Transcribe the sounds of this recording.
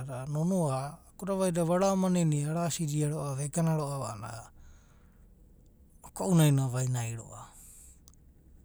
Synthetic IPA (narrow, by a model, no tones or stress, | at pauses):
ɾanonuaːkuɾaβajdaβaɾaomaneniaɾasiɾiaɾoaβeɡanaɾoaβana̰ | okoʔunajnaβajnajɾo̰ʔa